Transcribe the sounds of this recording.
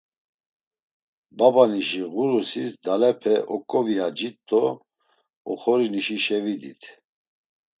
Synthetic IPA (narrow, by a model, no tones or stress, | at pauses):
babaniʃiɣuɾusisd̪alɛpʰɛʔɔkʼɔviad͡ʒit̪ʼːɔ | ɔχɔɾiniʃiʃɛvid̪it̪ʰ